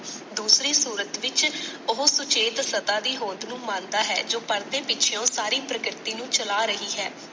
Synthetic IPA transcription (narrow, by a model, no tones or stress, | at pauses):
d̪uːsɾiːsuːɾət̪ʋɪt͡ʃʊɦsʊt͡ʃeːt̪sət̪ãːd̪iːɦõːnd̪nũːmãːnd̪aːɦɛːd͡ʒoːpəɾd̪eːpɪt͡ʃʰɪjõːsaːɾiːpɾəkɾɪt̪iːnũːt͡ʃəlaːɾəɦiːɦɛː